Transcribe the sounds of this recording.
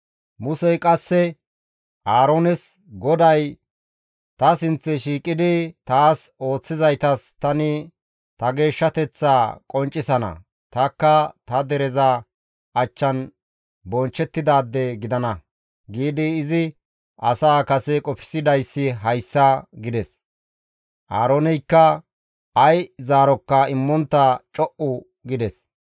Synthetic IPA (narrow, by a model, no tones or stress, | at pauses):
mʊsɛjkʼɐsːɛ | ʔaːɾonɛs | ɡɔd̪ɐj | t̪ɐsɪnt͡sːɛʃiːkʼɪd̪ɪt̪aːso̞ːt͡sːɪzɐjt̪ɐst̪ɐnɪ | t̪ɐɡe̞ːʃːɐt̪ɛt͡sːaːkʼɔnt͡ʃʼːɪsɐnɐ̰ | t̪ɐkːɐt̪ɐd̪ɛɾɛzɐ | ɐt͡ʃːɐn | bɔnt͡ʃːɛt̪ːɪd̪aːd̪ːɛɡɪd̪ɐnɐ | ɡiːd̪ɪːzɪ | ɐsaːkɐsɛkʼɔpɪ̥sɪd̪ɐjsːɪɦɐjsːɐɡɪd̪ɛs | ʔaːɾonɛjkːɐ | ɐjzaːɾɔkːɐɪmːɔnt̪ːɐt͡ʃʼɔʔʊ | ɡɪd̪ɛs